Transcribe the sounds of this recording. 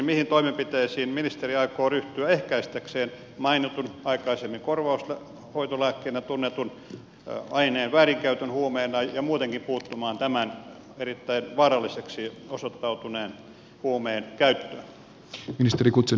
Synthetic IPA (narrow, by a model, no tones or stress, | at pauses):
mihint̪oimempit̪eːsiːnminist̪eriɑikoːryht̪yæehkæist̪ekseːn | mɑinit̪unɑikɑisemːiŋkorʋɑuslæ | hoit̪olæːkːeːnæt̪unːet̪un | ɑineːnʋæːriŋkæyt̪ønhuomeːnɑjɑmuːt̪eŋkimpuːt̪ːumɑːnt̪æmæn | erit̪ːæinʋɑːrɑlːiseksiosot̪ːɑut̪uneːn | huomeːnkæyt̪ːøːn | minist̪erikut̪se